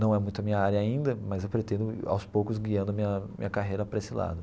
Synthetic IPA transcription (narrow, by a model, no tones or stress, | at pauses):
nɐ̃w̃ɛmũj̃t̪ʊɐmĩɲɐaɾjɐaĩnd̪ɐmɐzewpɾet̪ẽnd̪ʊa̰wspowkʊzɡiɐ̃nd̪ʊɐmĩɲɐmḭ̃ɲɐkaɦejɾɐpɾɐesɪla̰d̪ʊ